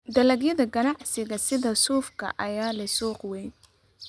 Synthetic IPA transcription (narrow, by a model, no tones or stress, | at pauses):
d̪ɐlɐɡjɐðɐɡɐnɑʕsɪɣɐsɪðɐsuːfkʰɐ̰ʔɐjaːlɐjsuːqwɛjn